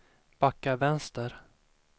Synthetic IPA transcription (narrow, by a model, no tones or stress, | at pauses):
b̥akːavɛnst̪əɾ